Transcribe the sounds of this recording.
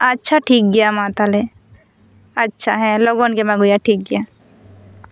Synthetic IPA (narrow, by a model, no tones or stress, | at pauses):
ɐtːʃʰaʈʰiːk̚ɡɪjamãːt̪ale | ɐtːʃʰaɦɛloɡonkemãɡʊjaʈʰiːk̚ɡɪja